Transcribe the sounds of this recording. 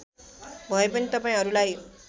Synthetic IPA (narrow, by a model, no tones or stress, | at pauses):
bʱʌepʌnit̪ʌpaĩɦʌɾulaj